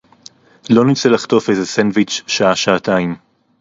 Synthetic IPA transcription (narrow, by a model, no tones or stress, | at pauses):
lo̞nit͡selaχt̪o̞fejzesenvit͡ʃʃaaʃaːtaim